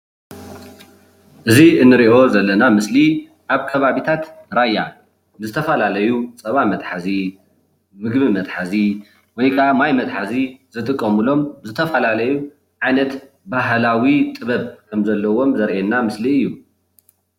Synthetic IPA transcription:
ʔɨziɨnːɨɾiʔo̞zɐlːɐnamɨsli | ʔaβkʰɐβaβit̪ʰat̪ɾajːa | ɨzɨt̪ʰɐfɐlalɐjut͡sʼɐβamɐt̪ʼħazi | mɨɡbimɐt̪ħazi | wɔjkʰɐamajmɐt̪ʼħazizɨt̪ʼɨkʼːɐmulo̞mzɨt̪ʰɐfɐlalɐju | ʕajnɐt̪ | baɦlawit̪ʼɨβɐβkʰɐmzɐlːɐwo̞mzɐɾʔenːamɨsliɨjːu

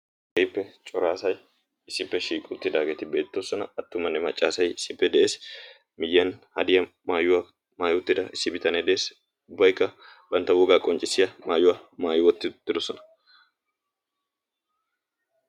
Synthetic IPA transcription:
ʔɛjɪpːɛt͡ʃʼɔɾaːsɐj | ɪsːɪpːɛʃiːkʼʊt̪ːɪd̪aːɡet̪ɪbe̞ːt̪ːosɔnɐɐt̪ːʊmɐnːɛmɐt͡ʃʼːaːsɐjɪsːɪpːɛd̪ɛʔe̞ːs | mɪjːɐnhɐ̰d̪ɪjɐ | maːjʊwɐ | maːjɔt̪ːɪd̪ɐɪsːɪbɪt̪ɐnɛd̪ɛʔeːs | ʊbːɐjkːɐ | b̥ɐnt̪ːɐwɔɡaːkʼɔnt͡ʃʼːɪsːɪjɐmaːjʊwɐmaːjʊwɔt̪ːɪt̪ːɪd̪ɔsɔnɐ̥

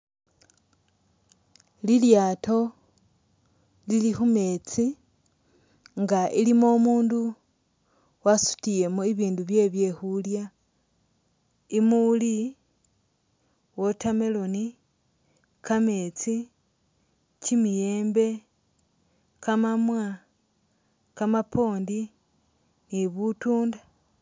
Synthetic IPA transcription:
liljaːto̞ | lilixume̞t͡si | ŋɡaʔilimo̞muːndu | wasu̥tije̞moiβiːnduβje̞βje̞xulja | imuli | wo̞tame̞lo̞ni | kame̞t͡si | cimije̞ːmbe̞ | kamamwa | kamapo̞ːndi | niβutuːnda

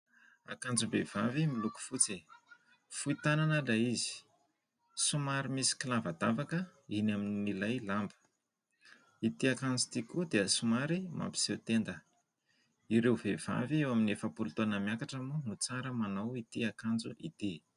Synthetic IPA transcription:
a̰kand͡zubev̥avimiluku̥fut͡se | fuit̪ananəlaizi̥ | sumaɾimisi̥kilavəd̪avakəinaminnnilajlambə̥ | it̪iakand͡zut̪ikud̪eəsumaɾima̰mpi̥sewt̪end̪ə | iɾewvev̥a̰viewaminefəpulut̪onəmjakaʈ͡ʂəmunut͡saɾəmanawit̪iakand͡zuʔḭt̪i

